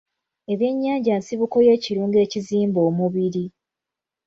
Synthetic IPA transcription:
e̞βje̞ɲːaːɲɟaːnsiβuko̞je̞ːciɾuːŋɡe̞ːciziːmbo̞ːmuβiɾi

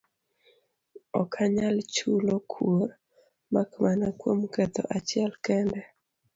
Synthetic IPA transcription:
ɔkʰaɲalt͡ʃulokʰuɾ | makmanakwomkɛt̪ɔ̰ʔat͡ʃɪɛlkɛndɛ

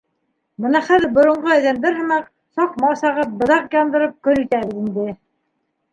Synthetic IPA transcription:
bɤnɑχæðɘɾbŏɾŏɴɢoæðænb̪æɾhɤ̆mɑq̚ | sɑqmɑsɑʁɤp̚bɤ̆ðɑqjɑnd̪ɤ̆ɾɤp̚kɵnit̪æβɘ̆zind̪ɘ

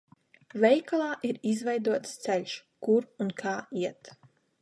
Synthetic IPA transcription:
vɛjklˠaːʔiɾizvɛjd̪uɔt̪st̪sɛlʲʃkuɾunkʰaːiɛt̪

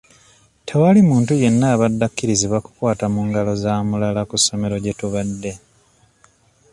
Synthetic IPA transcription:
tʰewalimuːntuje̞nːaːβadːakːiɾiziβwaku̥kwaːtamuŋɡalo̞zaːmulalakusːo̞meɾo̞ɟe̞tuβadːe̞

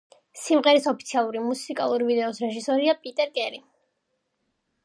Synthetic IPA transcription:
simʁɛɾisɔpʰi̥t̪sʰialˠuɾimusikʼa̰lˠuɾivid̪ɛɔsɾɛʒisɔɾiapʼit̪ʼɛɾkʼɛɾi

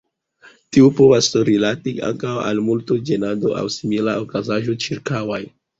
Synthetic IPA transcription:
tiupo̞vasɾilatiʔa̰ŋkawa̰lmultod͡ʒenado̞ʔa̰wsimilaokazaʒo̞t͡ʃiɾkawaj

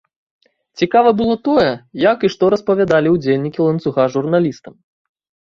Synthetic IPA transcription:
t͡sʲikavɐbɨlˠɔt̪ɔjɛjakɨʂt̪ɔɾɐspɐvʲad̪alʲiuwd͡zʲelʲnʲikʲilˠɐnsuɣaʐurnalʲist̪ɐm

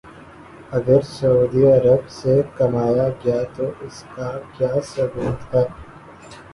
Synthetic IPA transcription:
ɐɡəɾsɐuːd̪iɐɾəbsekɐmaːjaɡɐjaːt̪oːʔɪskakjaːsɐɡuːt̪ɦaː

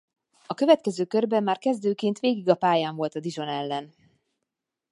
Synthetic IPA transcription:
ɒkø̞vɛt̪̚kɛzøːkørbɛmːaːrkɛzd̪øːkeːnt̪ʋeːɡiɡɒpaːjaːɱvo̞lt̪ɒd̪iʒo̞nɛlːɛn

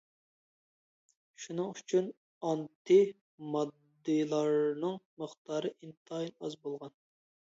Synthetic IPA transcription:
ʃunɨŋyt͡ʃʰyn | ɑnt̪ʰɨ | mɑd̪ːɨlˠɑɾnɨŋməχt̪ʰɑːɾɨʔint̪ʰɑjinɑzbolˠʁɑn

